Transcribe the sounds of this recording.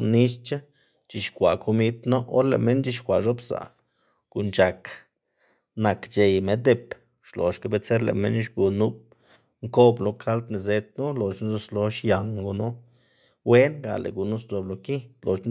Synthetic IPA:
ni˦st͡ʃa˦ | t͡ʃi˧ʃkʷa˨kʰo˧mi˧t̪no˦o̰˦ɾlḛ˨me˦nt͡ʃi˧ʃkʷa˨ʔʐo˦bsa̰˨ | ɡ̥u˧˨nt͡ʃa˨k | na˨kt͡ʃe˨jme˨d̪e˧˨p | ʃlo̰˨ʃka˧be˧t͡se˦ɾlḛ˨me˦n˦ʃɡu˨nu˦b̚ | ŋko˦blo˧kʰa˦lt̪ni˧ze˧t̪̚nu˦lo˨ʃn˦zo˧slo˧ʃja˨nɡu˧nu˦ | we˦nɡa̰˨lḛ˨ɡu˨nu˦sd̪o˨blo˧ki˦lo˨ʃ

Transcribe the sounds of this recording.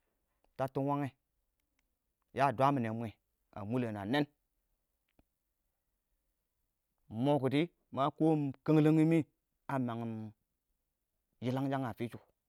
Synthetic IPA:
ta˨˦tu˦wa˦ŋe˨ | ja˦˨dʷa˦mi˨ne˨˦mʷe˨ | a̰˨mu˦le˨na˨ne˦n | mo˨ku˨di˦ | ma˦ko˦kə˦ŋ˦lə˦ŋi˦mi˦ | a˨ma˨ŋi˨m | ji˦la˦ŋ˦d͡ʒa˦ŋa˨fi˦t͡ʃu˨

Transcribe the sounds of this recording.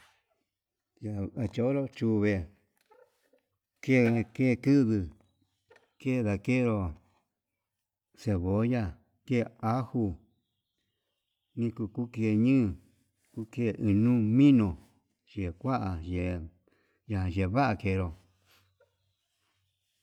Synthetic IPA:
ja˧˨a˧t͡ʃo˧˦ɾo˦t͡ʃu˧βe˧ | ke˦˨˧ke˦˨˧kɨ˦ðɨ˧ | ke˦˨˧ða˧ke˦˨˧ɾo˧ | se˧βo˨˦ja˧ | ke˦˨˧a˦hu˧ | nĩ˦ku˧ku˦ke˧˨ɲɨ̃ː˦˨ | ku˦ke˦˧˨ʔɨ˧nũ˦mĩ˦nõ˨ | ʒe˨kʷa˦ʔa˨ʒe˨ | ja˧˨ã˨ʒe˨βa˦ʔa˧ke˧˨˧ɾo˨

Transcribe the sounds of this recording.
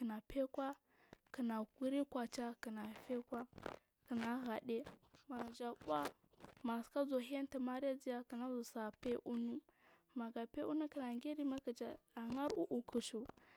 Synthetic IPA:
kə˨na˨pe˦kwa˦ | kə˨na˨ku˦ɾi˦kʷa˨t͡ʃa˦ki˨na˨fe˦kʷa˦ | kə˨na˨ɣa˨ɗe˦ma˨d͡ʒa˨ba˦ | ma˨ska˦zo˨ɦi˦a˦n˦ti˨ma˦ɾa˦d͡zi˦ja˦ki˨na˦zu˨sa˨pe˦ʔu˦nu˦ | ma˨ɡa˨pe˦u˦nu˦kə˨na˨ŋɡe˦ɾi˦ma˦ki˨d͡ʒa˨a˨ŋa˦ɾu˦ʔu˨kʰu˨ʃu˨

